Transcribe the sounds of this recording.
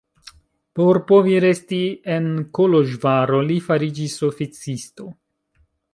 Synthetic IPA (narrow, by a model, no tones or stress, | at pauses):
po̞ɾpo̞viɾe̞stie̞nkolo̞ʒvaɾo̞lifaɾid͡ʒiso̞fit͡sisto̞